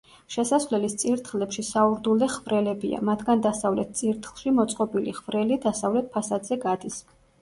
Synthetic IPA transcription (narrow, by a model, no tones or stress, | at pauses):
ʃɛsasvlɛlist̪sʼiɾt̪ʰχlɛpʃisauɾd̪ulˠɛχvɾɛlɛbia̰mat̪ʰɡand̪asavlɛt̪̚t̪sʼiɾt̪ʰχlˠʃimɔt̪sʼqʼɔbilḭχvɾɛlid̪asavlɛt̪̚ʰpʰasad̪zɛɡad̪is